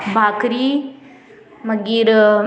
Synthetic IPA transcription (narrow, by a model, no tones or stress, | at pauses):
bʱaːkɾi | məɡiːɾ